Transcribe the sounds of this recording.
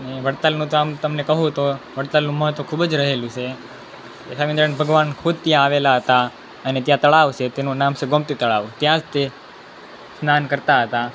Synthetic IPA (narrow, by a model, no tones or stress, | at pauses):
əneʋəɽt̪alnũt̪oamt̪əmnekəɦũt̪oʋəɽt̪alnũməɦt̪okʰubd͡ʒɾəɦelũt͡ʃʰe | esaʋĩnd̪əɾənbʱəɡʋankʰud̪̚ʱt̪jãaʋelaɦət̪a | ənet̪jãt̪əɭaʋt͡ʃʰet̪enũnamʃeɡomt̪it̪əɭaʋũt̪jãd͡ʒt̪e | snankəɾt̪aɦət̪a